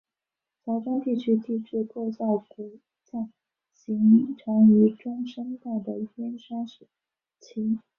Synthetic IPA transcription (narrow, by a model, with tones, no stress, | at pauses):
t͡sɑ˧˥ʊʈ͡ʂa˥nt̪i˥˩t͡ɕʰy˥t̪i˥˧ʈ͡ʂɻ̩˥˧kʰwɔ˥˧ɕɑ˥˩ʊku˨˧˩ | t͡ɕjɑ˥˩ | ɕi˧˥ŋʈ͡ʂʰɑ˧˥ŋy˧˥ʈ͡ʂʊ˥ŋʂə˥nt̪a˥˩ɪd̪ə˩i˥˩pjɛ˥nʂɑ˥ŋʂ̩˨˩ | t͡ɕʰi˧˥ŋ